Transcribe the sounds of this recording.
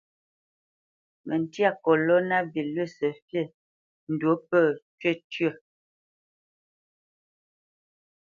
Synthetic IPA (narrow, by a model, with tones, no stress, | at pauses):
mʔə˨n˨tja˦˨kɔ˨lɔ˦na˦bi˨lɥə˦˨sə˨fjə˦˨ | n̩˨do˨˦pə˦˨tɥə˦˨tɥə˦˨